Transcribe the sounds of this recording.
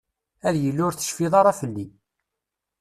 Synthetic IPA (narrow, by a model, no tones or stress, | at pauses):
æðjəlːʊɾθə̥ʃfiðˤɑɾˤɑfəlːi